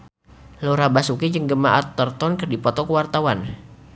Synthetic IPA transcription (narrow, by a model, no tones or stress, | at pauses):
loɾabasukid͡ʒəŋɡəmaʔat̪ːərt̪ɔnkərdipɔt̪ɔkəwart̪awan